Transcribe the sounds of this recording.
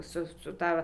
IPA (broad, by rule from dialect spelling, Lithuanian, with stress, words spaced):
ˈsʊ sʊ ˈtɐ